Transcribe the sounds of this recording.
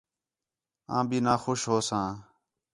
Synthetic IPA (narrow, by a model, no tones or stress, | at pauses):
ã̰ːbiːnaːxoːʃɦoːsãː